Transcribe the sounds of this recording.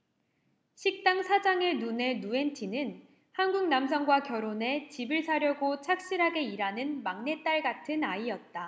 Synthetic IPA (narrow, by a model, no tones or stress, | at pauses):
ɕʰik̚t͈aŋsʰad͡ʑaŋenune̞nue̞ntʰinɯn | hanɡuŋnams̬ʰʌŋɡwakjʌɾone̞t͡ɕibɯɭsʰaɾjʌɡot͡ɕʰak̚ɕ͈iɾɦaɡe̞iɾanɯnmaŋne̞t͈aɭɡatʰɯnaiʌt̚t͈a